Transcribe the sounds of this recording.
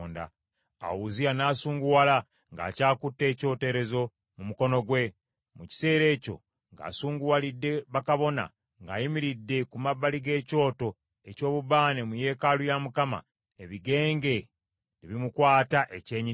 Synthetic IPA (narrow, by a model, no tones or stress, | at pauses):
nda̰ | a̰wuzijanaːsuːŋɡuwala | ŋɡa̰ːcaːkutːe̞ːco̞ːte̞ɾe̞zo̞ | mumuko̞no̞ɡwe̞ | muci̥se̞ːɾe̞ːco̞̰ | ŋɡa̰ːsuːŋɡuwalidːe̞βakaβo̞na̰ | ŋɡa̰ːjimiɾidːe̞kumabːaliɡe̞ːco̞ːto̞ | eco̞ːβuβaːne̞muje̞ːkalujamukama̰ | eβiɡe̞ːŋɡe̞ | niβimukwaːtaʔece̞ːɲi